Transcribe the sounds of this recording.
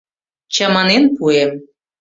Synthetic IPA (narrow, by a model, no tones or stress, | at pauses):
t͡ɕəmɑnenpuem